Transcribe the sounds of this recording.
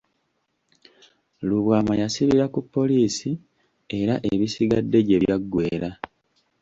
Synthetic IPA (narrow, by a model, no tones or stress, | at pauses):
luβwaːmajasiβiɾakupːo̞liːsi | e̞ɾaʔeβisiɡadːe̞ɟe̞βjaɡːwe̞ːɾa